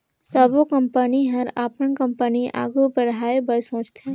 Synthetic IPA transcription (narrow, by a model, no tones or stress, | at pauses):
səbokə̃mpəniɦɐɾaːpənkə̃mpəniʔa̰ːɡupəɾɦaːebəɾsõːt͡ʃt̪eɦɛ̃